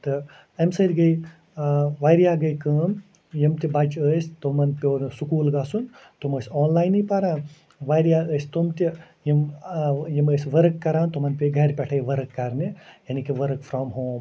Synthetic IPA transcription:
t̪ɨ | ɐmsɐɾʲɡɐj | ʋajɾijaːɡɐjkɐːm | jimt̪ibɐt͡ʃəːsʲt̪omɐnpʲoːɾsukuːlɡaːsun | t̪uməːsʲɔːnlaːjnipaɾãːn | ʋajɾijaːəːsʲt̪omt̪ʲi | jimjiməːsʲʋɐɾkːɐɾaːnt̪omɐnpʲeɡɐɾpʲɐʈʰejʋɐɾɨkːɐɾnijɐnikiʋɐɾkfɾaːmɦoːm

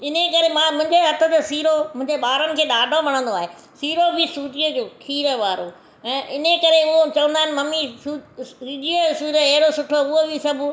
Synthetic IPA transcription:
ɪnekɐɾemãːmʊ̃ɦɪ̃ɲd͡ʑeɦɐt̪ʰə̆t̪esiːɾomʊ̃ɦɪ̃ɲd͡ʑeɓaːɾənɪ̆kʰeːɗaːɖʱomɐɽ̃ə̃nd̪oaːɦe | siːɾobʱɪsuːʈiod͡ʑokʰiːɾəʋaːɾo | ɛ̃ːʔɪnəkɐɾeʊɦot͡ɕɐʋə̃nd̪aːɦɪnɪmɐmisusiːd͡ʒiosiːɾəɐɦɪɽosʊʈʰoʊɦobʱɪsɐbʱʊ

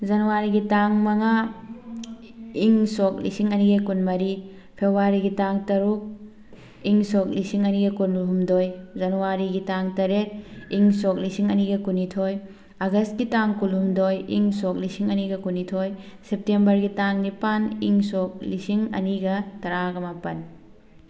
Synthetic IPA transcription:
zɐnuwaɾiɡitaŋmɐŋa | iŋsok̚lḭsiŋɐniɡɐkunmɐɾi | pʰebɾaɾiɡitaŋtɐɾuk̚ | iŋsok̚lisiŋɐniɡɐkunuɦumdojzɐnuwaɾiɡitaŋtɐɾek̚iŋsok̚lisiŋɐniɡɐkunitʰoj | ɐɡɐst̚ɡitaŋkulɦumdojḭŋsok̚lisiŋɐniɡɐkunitʰojsep̚tembɐɾɡitaŋnipaniŋsok̚lisiŋɐ̰niɡɐtɐɾaɡɐmapɐn

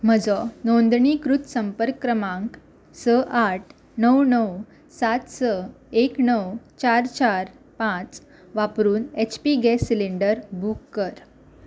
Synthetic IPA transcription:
m̤əd͡zɔnɔnd̪ɳikɾut̪səmpəɾkːɾəmãŋk | səʔaʈʰ | nəwnəw | sat̪sə | eknəwt͡ɕaɾt͡ɕaɾ | pãt͡s | ʋapɾuːnet͡ɕʰpiɡɛsileɳɖəɾbʱukːəɾ

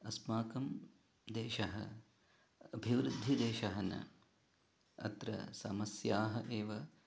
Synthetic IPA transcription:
ɐsmaːkɐm | d̪eːʃɐɦɐ̰ | ɐbʱiʋɾud̪ʱːid̪eːʃɐɦɐnɐ̰ | ɐ̰t̪ɾɐ̰sɐmɐsjaːɦɐʔeːʋɐ

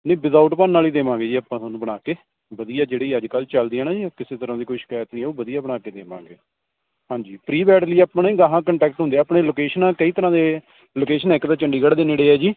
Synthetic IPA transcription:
nẽːbɪzaːuʈpaːnːaːliːd̪eːʋãːɡeːd͡ʒiːaːpːãːt̪anũːbəɽ̃aːkeː | bəd̪ijaːd͡ʒeːɽiːəd͡ʒkəlt͡ʃəld̪iːãːnaːd͡ʒiːkɪseːt̪əɾãːd̪iːkoiʃɪ̥kaːjət̪nĩːɛːoːbəd̪ijaːbəɽ̃aːkeːd̪eːʋã̰ːŋɡḛː | hãːɲd͡ʒiːpɾiːbɛːʈliːaːpanĩːɡaɦãːkəɳʈɛːk̚ʈɦʊnd̪eaːpɳeːloːkeːʃənãːkəiːt̪əɾãːd̪eː | loːkeːʃənɛːkd̪aːt͡ʃəɳɖiːɡəɽd̪eːneːɽeːɛːd͡ʒiː

